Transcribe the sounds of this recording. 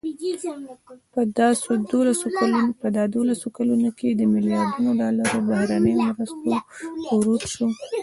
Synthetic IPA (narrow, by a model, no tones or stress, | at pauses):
pəd̪ɑsod̪olasoalpəd̪ɑd̪olasokalunoked̪əmɪljɑɾd̪unoɖɑlaɾobahɾanəjomɾast̪oɾuʈ̪ʃo